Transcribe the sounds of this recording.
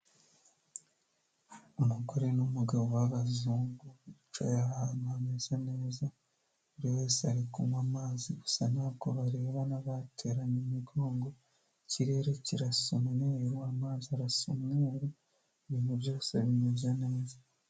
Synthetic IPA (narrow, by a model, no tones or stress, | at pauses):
umuɡoɾenumuɡaβowaβazuːŋɡuβit͡ʃo̰jaamamez̥ane̞ːza | uɾiwe̞ːseaɾikumwamaːziɡu̥sanab̚ɡoβaɾe̞ːβanaβatʰe̞ɾaɲemiɡo̞ːŋɡo̞ | ciɾe̞ːɾeciɾasumŋeɾwaːmaːziaɾasumŋeɾe | βiːn̥huβjo̞ːse̞βimezane̞ːza